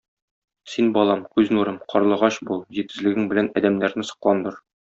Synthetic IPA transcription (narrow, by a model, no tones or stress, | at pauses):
sinbɒlˠɑmkʉznuɾɤmqʰɒɾlˠɤ̆ʁɑɕbulˠʑit̪̚ɘ̆zlɘ̆ɡɘŋbɘ̆lænɒd̪æmnæɾnɘsŏ̥qlˠɑnd̪ɤɾ